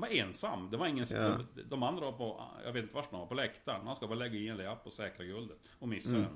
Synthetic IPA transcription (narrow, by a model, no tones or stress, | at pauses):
vaɾeːnsa̰mːd̪ɛvaɾɪŋːənsd̪ɔmand̪ɾavaɾpʰɔ̰jɑ̰ɡveːt̪ɪnt̪əvaʂd̪ɔmvaɾpʰɔlɛkt̪aɾmanskabɑːɾlɛɡːaɪnːɛnlɛapʰːɔsɛːkɾaɡɵld̪ət̪ɔmɪsːaɛ̰n